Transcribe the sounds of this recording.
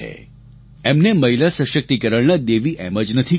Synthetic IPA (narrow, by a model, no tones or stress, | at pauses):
ḛ | emneməɦilasə̃ʃək̚t̪ikəɾəɭnad̪eʋiʔɛməd͡ʒnət̪ʰi